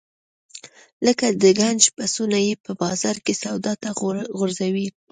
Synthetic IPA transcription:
ləkad̪əɡand͡ʒpasunajepəbɑzɑɾkesawd̪ɑt̪aɣʊɾzawi

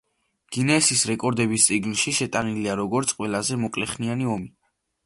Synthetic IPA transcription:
ɡ̥inɛːsisɾɛkʼɔɾd̪ɛbist̪sʼiɡnʃiʃɛt̪ʼaniliaɾɔɡɔɾt̪sʰʼqʼwɛlazɛmɔkʼlɛχnianiɔmi

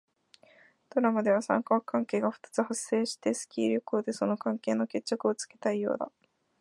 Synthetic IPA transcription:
t̪o̞ɾamad̪e̞β̞asã̰ŋkakãŋke̞ːɡaɸɯ̟̥t̪ḁt͡sɨhasːe̞ːɕi̥t̪e̞sɨ̥kʲḭːɾʲokoːd̪e̞so̞no̞kãŋke̞ːno̞ke̞t͡ɕːakɯ̟o̞t͡sɨ̥ke̞̥t̪aijo̞̰ːd̪a̰

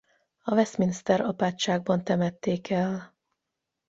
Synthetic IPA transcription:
ɒvɛsminist̪ɛɾɒpaːt͡ʃʃaːɡ̚bɒnt̪ɛmɛt̪ːeːkɛl

